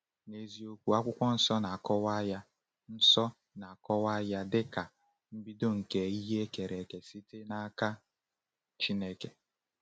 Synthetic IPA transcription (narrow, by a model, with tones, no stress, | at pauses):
ne˨zi˨o˦kʷu˨a˦kʷʊ˦kʷɔ˦n̩˨sɔ˦na˨a˨kɔ˦wa˦ja˦ | n̩˦sɔ˦ | na˨a˨kɔ˦wa˦ja˦dɪ˦ka˨ | m̩˦bi˦do˦ŋ̩˨ke˨i˦ɦe˦ke˨ɾe˨ke˨si˦te˦na˦ka˦ | t͡ʃi˦ne˦ke˨